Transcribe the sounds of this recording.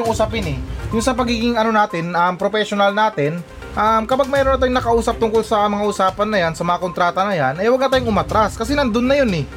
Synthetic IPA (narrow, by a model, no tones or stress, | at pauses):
ʊŋʔuːsapɪnɛjʊŋsɐpɐɡiːɡɪŋɐno̞naːt̪ɪnʔɐmpɾopɛʃonɐlnaːt̪ɪn | ʔɐmkɐpaɡ̚mɛːɾonɐt̪aːjʊŋnɐkɐʔuːsɐp̚t̪ʊŋkolsɐmɐŋaʔʊsaːpɐnːɐjansɐmɐŋako̞nt̪ɾaːt̪ɐnɐjanʔɛjwɐɡnɐt̪aːjʊŋʊmat̪ɾaskɐsɛnɐnd̪onːɐjonɛ